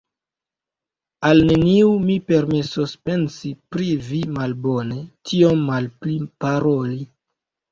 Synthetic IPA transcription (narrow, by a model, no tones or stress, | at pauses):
alne̞niumipe̞ɾmesospe̞nsipɾivimalbone̞tʰio̞mːalplipaɾo̞li